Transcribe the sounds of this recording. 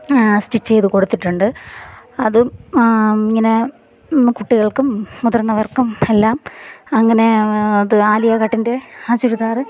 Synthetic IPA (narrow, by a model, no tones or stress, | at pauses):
sʈit͡ɕːejðuko̞ɽut̪ːiʈːuɳɖɨ | ɐðɨ | iŋːɐne | kuʈːiɣɐɭkumːuðɐrnːɐʋɐrkːumelːaːmɐŋːɐne̞ɐðɨaːlijɐkɐʈːinde̞aːt͡ɕːuɾut̪aːrɨ